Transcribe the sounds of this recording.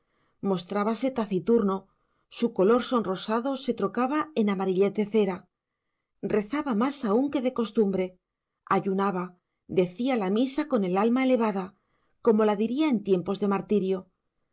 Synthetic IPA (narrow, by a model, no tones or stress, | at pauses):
mo̞st̪ɾaβase̞t̪aθit̪uɾno̞ | suko̞lo̞ɾso̞nro̞saðo̞se̞t̪ɾo̞kaβae̞namaɾiʎe̞t̪ðe̞θe̞ɾa | rʔe̞θaβamasauŋke̞ðe̞ko̞st̪umbɾe̞ | aʝunaβa | d̪e̞θialamisako̞ne̞lalmae̞le̞β̞aða | ko̞mo̞laðiɾiae̞nt̪je̞mpo̞zðe̞maɾt̪iɾjo̞